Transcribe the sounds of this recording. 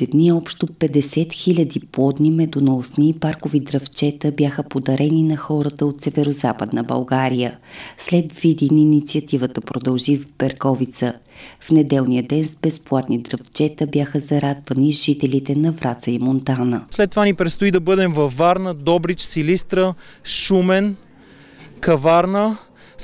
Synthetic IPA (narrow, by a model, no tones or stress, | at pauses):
ɛd̪niɛɔpʃt̪opɛd̪ɛsɛt̪xilʲəd̪iplɔd̪nimɛd̪unosniːpaɾkovid̪ɾɐft͡ʃɛt̪əbjaxəpod̪ɐɾɛninɐxɔɾət̪əot̪sɛvɛɾozapəd̪nəbɐ̰lˠɡaɾijəslɛd̪vid̪inːnit̪siət̪ivət̪əpɾod̪ɐlˠʒivbɛɾkɔvit̪səfnɛd̪ɛlˠnijəd̪ɛnzbɛsplˠat̪nid̪ɾɐft͡ʃɛt̪əbjaxəzɐɾad̪vəniʒit̪ɛlit̪ɛnɐvɾʔat̪səimont̪anəslɛt̪ːovanipɾɛt̪st̪ʊid̪ɐbɤd̪ɛmvɐfvːaɾnəd̪ɔbɾit͡ʃsilist̪ɾəʃumɛn | kɐvaɾnə